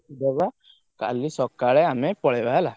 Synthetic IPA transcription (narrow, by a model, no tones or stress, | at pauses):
d̪eba | ka̰lisɔkaɭɛamepɔɭɛbaɦela